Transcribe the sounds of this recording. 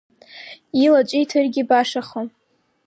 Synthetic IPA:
ilat͡ʃʷʼijtʰɨrɡʲibaʂaχo

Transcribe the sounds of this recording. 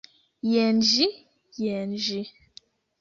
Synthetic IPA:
jɛnd͡ʒi | jɛnd͡ʒi

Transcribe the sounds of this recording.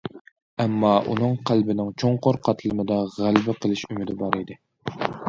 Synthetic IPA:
ɛmːɑʔṵnɨŋqʰælbɪnɪŋt͡ʃʰoŋqoɾqʰɑt̪ʰlˠɨnɨd̪ɑʁælbɪqʰəlˠɨʃymɪd̪ɪbɑɾid̪ɪ

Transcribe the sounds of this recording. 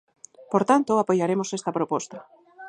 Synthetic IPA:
poɾt̪ant̪oapojaɾemosest̪ɐpɾopost̪ɐ

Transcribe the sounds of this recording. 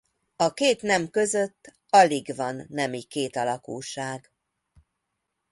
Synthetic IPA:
ɒkeːt̪nɛmkø̞zøt̪ː | ɒliɡvɒnːɛmikeːt̪ɒlɒkuːʃaːɡ

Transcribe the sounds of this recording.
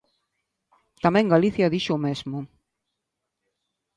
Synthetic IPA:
t̪amɛ̃ŋɡaliθjɐðiʃomezmʊ

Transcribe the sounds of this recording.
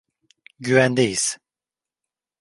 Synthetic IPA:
ɟyvænd̪ejiz̥

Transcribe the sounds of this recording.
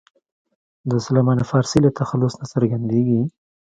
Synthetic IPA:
d̪əsʊlamɑnafɑːɾsilat̪axalːʊsnasəɾɡand̪eɡi

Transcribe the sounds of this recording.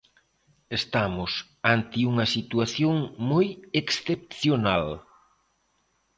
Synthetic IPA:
est̪amʊs | ant̪ɪuŋɐsit̪uaθjoŋmojeksθep̚θjonal

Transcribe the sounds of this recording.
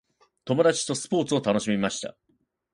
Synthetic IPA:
t̪o̞mo̞d̪at͡ɕi̥t̪o̞sɨ̥po̞ːt͡sɨo̞t̪ano̞ɕimʲimaɕi̥t̪a̰

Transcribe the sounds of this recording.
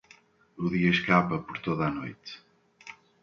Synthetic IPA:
uðiɐʃkapɐpoɾt̪oðanojt̪

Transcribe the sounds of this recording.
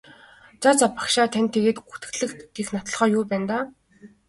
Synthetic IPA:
t͡sat͡sapḁkʃaːt̪ʰaænʲt̪ʰːeɣeːt̪ɡut̪ɘ̆ɮɘ̆kt̪ɡexnat̪ɞ̆ɮχœːjʊːpæːnt̪aː

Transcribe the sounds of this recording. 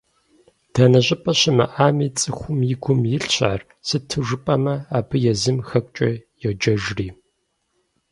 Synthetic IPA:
d̥aːnɐʑʷʼɪpʼɐɕɪmɐ̰ʔaːmiːt͡sʼɨxʷʊmjɪɡʷʊmjɪɬɕa̰ːr | sɨtʰɨʐɨpʼɐmɐaːbʰɨjɛzɨmxɐkʷʼt͡ʃʼɐjɛd͡ʒɐʒriː

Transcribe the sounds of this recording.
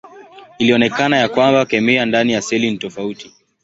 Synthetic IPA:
iliɔnɛkanajakwambakɛmɛandanijasɛlinitɔfauti

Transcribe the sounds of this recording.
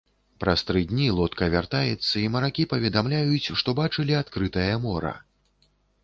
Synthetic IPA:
pɾast̪ɾɨd̪ʲnʲilˠɔt̪kɐvʲart̪ajɛt̪sːɐimɐɾakʲipɐvʲɛd̪amlʲajut͡sʲʂt̪ɔbat͡ʂɨlʲiat̪kɾɨt̪ɐjɐmɔɾɐ̰

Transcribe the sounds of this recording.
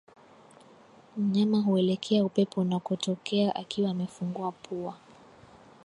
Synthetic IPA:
m̩ɲamaɦuɛlɛkʰɛaupɛpʰɔnakɔtɔkɛaʔakiwaːmɛfuŋɡuapʰua

